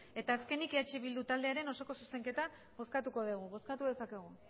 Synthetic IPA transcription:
e̞t̪aːske̞nikiɾat͡ʃiβild̪ut̪ald̪e̞aɾe̞no̞so̞ko̞suse̞ŋke̞t̪a | βo̞skat̪uko̞ð̞uɣuβo̞skat̪uðe̞sake̞ɣ̞u

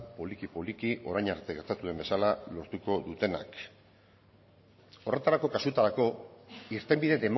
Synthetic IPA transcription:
polikipo̞likiʔo̞ɾajɲaɾt̪e̞ɣe̞ɾt̪at̪uðe̞mbe̞salalo̞ɾt̪uko̞ðut̪e̞na̰k | o̞re̞t̪aɾako̞kasut̪aɾako̞iɾt̪e̞mbiðede̞m

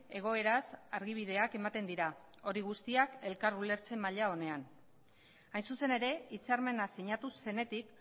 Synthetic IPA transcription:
e̞ɣ̞o̞e̞ɾasaɾɣiβ̞ið̞e̞ake̞mat̪e̞nd̪iɾa | o̞ɾiɣ̞ust̪iake̞lkaɾule̞ɾt͡se̞mːaʎao̞ne̞an | ajnsuse̞ne̞ɾe̞it͡saɾme̞nasiɲat̪use̞ne̞t̪ik

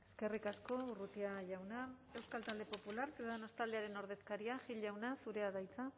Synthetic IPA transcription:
e̞̥ske̞rikasko̞urut̪iaʝawna | e̞wskalt̪ald̪e̞po̞pulaɾsuðaðanost̪ald̪e̞aɾe̞no̞ɾð̞e̞skaɾiaʝiʎawnasuɾe̞aðajt͡sa

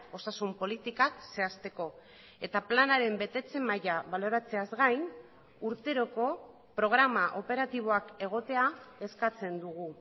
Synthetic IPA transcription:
o̞sasumpo̞lit̪ikakse̞ast̪e̞ko̞ | e̞t̪aplanaɾe̞mbe̞t̪e̞t͡se̞majaβalo̞ɾat͡se̞azɣajn | uɾt̪e̞ɾo̞ko̞ | pɾo̞ɣ̞ɾamaʔo̞pe̞ɾat̪iβ̞o̞ake̞ɣ̞o̞t̪e̞ae̞skat͡se̞nd̪uɣ̞u

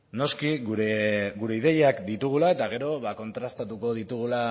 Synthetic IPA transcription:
no̞skiɣuɾeɡuɾe̞iðe̞jeakd̪it̪uɣ̞ulae̞t̪aɣ̞e̞ɾo̞βako̞nt̪ɾast̪at̪uko̞ð̞it̪uɣ̞ula

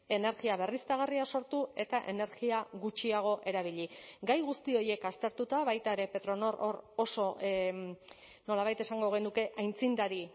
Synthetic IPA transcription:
e̞ne̞ɾɣiaβe̞rist̪aɣ̞ariaso̞ɾt̪ue̞t̪aʔe̞ne̞ɾɣiaɣut͡ʃiaɣ̞o̞ʔe̞ɾaβ̞iʎiɡajɣust̪io̞je̞kast̪e̞ɾt̪ut̪aβajt̪ae̞ɾe̞pe̞t̪ɾo̞no̞ɾʔo̞ɾo̞so̞ | no̞laβajt̪e̞saŋɡo̞ɣ̞e̞nuke̞ʔajnt͡sind̪aɾi

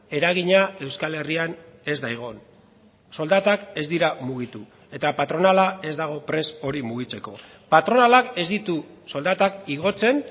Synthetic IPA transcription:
e̞ɾaɣ̞iɲae̞wskale̞riane̞zd̪ajɣ̞o̞n | so̞ld̪at̪ake̞zd̪iɾamuɣ̞it̪u | e̞t̪apat̪ɾo̞nalae̞zd̪aɣ̞o̞pɾe̞so̞ɾimuɣ̞it͡se̞ko̞ | pat̪ɾo̞nalake̞zd̪it̪uso̞ld̪at̪akiɣ̞o̞t͡se̞n

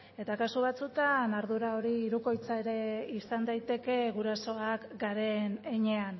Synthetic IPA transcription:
e̞t̪akasuβ̞at͡sut̪anaɾðuɾao̞ɾiːɾuko̞jt͡sae̞ɾe̞isand̪ajt̪e̞ke̞ɣuɾaso̞akɡaɾe̞neɲe̞an

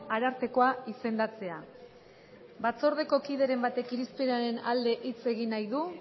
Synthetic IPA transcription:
aɾaɾt̪e̞ko̞aise̞nd̪at͡se̞a | bat͡so̞ɾð̞e̞ko̞kiðe̞ɾe̞mbat̪e̞kiɾispeɾaɾe̞na̰ld̪e̞ʔit͡se̞ɣinajðu

